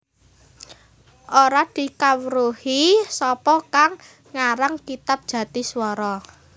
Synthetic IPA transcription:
ʔoɾad̪̥i̤kawɾuhisɔpɔkaŋː | aɾaŋkit̪ap̚d̥ʒ̥ä̤t̪iswɔɾɔ

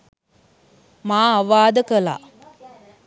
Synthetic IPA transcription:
maːaʋaːd̪əkəla̰

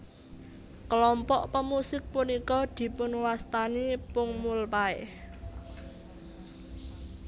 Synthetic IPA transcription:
kəlɔmpɔʔpəmusɪk̚punikɔd̪̥i̤pʊnwast̪anipʊŋmulpaɪh

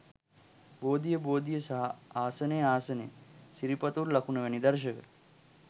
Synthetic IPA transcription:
boːd̪ijəboːd̪ijəsɐɦɐaːsɐneːaːsɐnḛːsiɾipɐt̪uɾlɐkʰunɐʋɐnid̪ɐɾʃ̬ɐkə̰

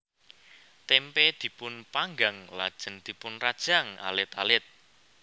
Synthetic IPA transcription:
t̪ɛmped̪̥i̤pʊnpaŋɡaŋlad̥ʒ̥ə̤nd̪̥i̤pʊnrad̥ʒ̥a̤ŋa̰lɪt̪alɪt̪̚

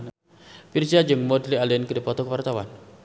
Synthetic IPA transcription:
pirsiad͡ʒəŋmɔdlialiənkədipɔt̪ɔkəwart̪awan

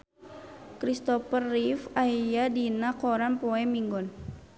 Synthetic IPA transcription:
kɾist̪ɔpərːifajadinakɔɾanpɔɛmiŋɡɔn

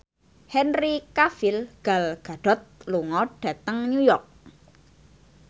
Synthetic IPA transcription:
hɛnrikafilɡ̥a̤lɡ̥a̤ɖ̥ɔ̤t̪̚luŋɔɖ̥ä̤t̪əŋnjujɔrk̚

